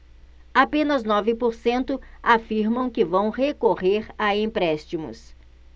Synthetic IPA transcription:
apẽnɐznɔvɪpoɾsẽnt̪ʊafiɾmɐ̃w̃kɪvɐ̃w̃hekoʁeɾaẽpɾɛst͡ʃimʊ̰s

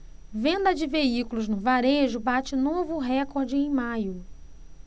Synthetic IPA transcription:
vẽnd̪ɐd͡ʒɪveikulʊznʊvaɾeʒʊbat͡ʃɪnovʊɦɛkoɾd͡ʒɪẽj̃majʊ

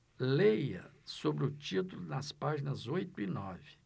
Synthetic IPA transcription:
lejɐ̰sobɾɪʊt͡ʃit̪ulʊnɐspaʒinɐzojt̪ʊinɔvɪ

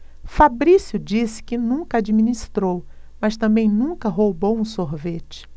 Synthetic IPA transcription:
fabɾisjʊd͡ʒisɪ̥kɪnũkɐad͡ʒiminist̪ɾowmɐst̪ɐ̃mbẽj̃nũŋkɐɦowbowũsoɾvet͡ʃɪ̥

